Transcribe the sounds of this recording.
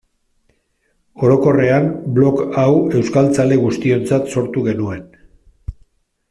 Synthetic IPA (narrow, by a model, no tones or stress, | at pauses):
o̞ɾo̞ko̞re̞amblo̞kawe̞wskalt͡sale̞ɣ̞ust̪io̞nt͡sat̪so̞ɾt̪uɣe̞nue̞n